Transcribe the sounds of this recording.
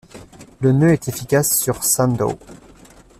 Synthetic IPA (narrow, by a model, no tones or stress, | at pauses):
lənøɛt̪efikʲasːyʁsãnd̪o̰